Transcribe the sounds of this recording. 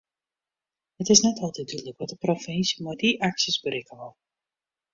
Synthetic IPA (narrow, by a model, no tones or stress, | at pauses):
ətɪsnɛtʰɔlˠtɛt̚dyləkʋɔtdəprofɛnsimodiʔaksəsbɾekəʋɔlˠ